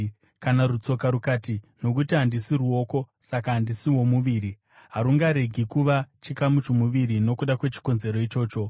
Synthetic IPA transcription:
kanarut͡so̞kaɾukaːtino̞k̬utiɦandisiruo̞ːko̞ | sakaɦandisiwo̞muʋiɾi | ɦaɾuŋɡaɾe̞ɡʱikuʋat͡ʃikamut͡ʃomuʋiɾino̞kuɗakwe̞t͡ʃi̥ko̞nze̞ɾo̞it͡ʃo̞ːt͡ʃo̞

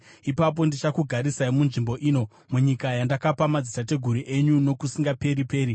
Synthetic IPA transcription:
ipap̬o̞ndit͡ʃakuɡʱaɾisaimunʐimbo̞ʔiːno̞ | muɲikajandakapamad͡zitat̬e̞ɡʱuɾiʔe̞ɲuno̞kusiŋɡape̞ɾipe̞ːɾi

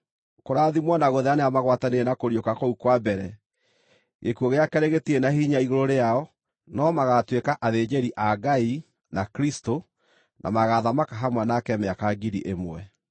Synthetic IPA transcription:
koɾaðimwanaɣoðɛaneamaɣwatanenakoɾiokakoukwabɛɾɛ | ɣekuoɣeakɛɾeɣetienahiɲaiɣoɾoɾeaɔ | nɔmaɣatwekaʔaðed͡ʒeɾiʔaɡai | nakɾisto | nʔa̰maɣaðamakaɦamwanakɛmɛakaɡiɾiʔemwɛ

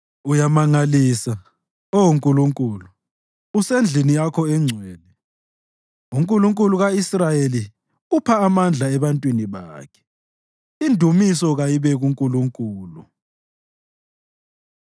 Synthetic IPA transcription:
ujamaŋaliːsa | owuŋkʼuluŋkʼuːluː | send͡ɮʱinijakʰɔɛŋ͡ǀʱwɛːnɛ | uŋkʼuluŋkʼuluɣaisrajeli | upʰaːmand͡ɮʱaɛβantʼwiniβaːkʰɛ̥ | indʱumisɔɣajiβɛɣuŋkʼuluŋkʼuːlu

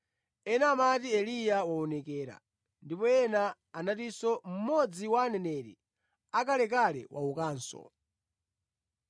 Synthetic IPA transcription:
ɛnamatiɛlijawaɔnɛkɛːɾa̰ | ndipɔjɛnaː | natisɔm̩mɔd͡ziwaːnɛnɛɾḭ | akalɛkalɛ̰wʔa̰ukaːnsɔ̰

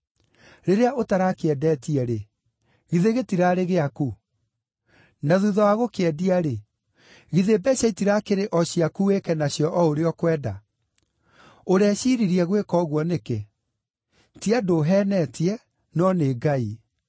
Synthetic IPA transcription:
ɾeɾeaotaɾakeɛdɛːtiɛɾe | ɣiðeɣetiɾaɾeɣeaku | naðuðawaɣokeɛdiaɾe | ɣiðebɛɕaitiɾakeɾeʔɔɕiakuekɛnaɕjɔʔɔoɾeɔkwɛːda | oɾɛɕiɾiɾiɛɣwekɔɣwɔneke | tiadoɦɛnɛtiɛ | nɔneːɡai

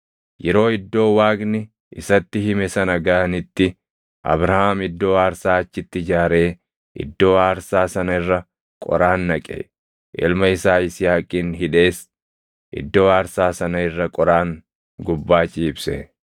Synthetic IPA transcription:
jɛɾo̞ːɪd̪ːo̞ːwaːɡnɪ | ʔɪsɐt̪ːɪɦɪmɛsɐnɐɡɐʔɐnɪt̪ːɪ | ʔɐ̰bɾɐhaːmɪd̪ːo̞ːaːɾsaːɐt͡ʃːɪt̪ːɪd͡ʒaːɾe̞ː | ʔɪ̰d̪ːo̞ːaːɾsaːsɐnɐɪrːɐ | kʼɔ̰ɾaːnːɐkʼḛː | ʔɪ̰lmɐɪsaːɪsɪjaːkʼiːnɦɪᶑe̞ːs | ʔɪ̰d̪ːo̞ːaːɾsaːsɐnɐɪrːɐkʼɔɾaːŋ | ɡʊbːaːt͡ʃʼɪɪbsɛ

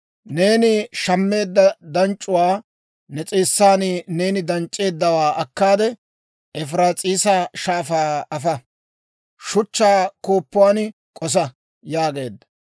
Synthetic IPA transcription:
ne̞ːnɪʃɐmːe̞ːd̪ːɐd̪ɐnt͡ʃʼːʊwaː | nɛt͡sʼeːsːaːnɪne̞ːnɪd̪ɐnt͡ʃʼːe̞ːd̪ːɐwaːʔɐkːaːd̪ɛ | ʔɛfɾaːt͡sʼiːsɐʃaːfaːɐfɐ | ʃʊt͡ʃːaːkoːpːʊwaːn | kʼɔs̬ɐ | jaːɡe̞ːd̪ːɐ̥

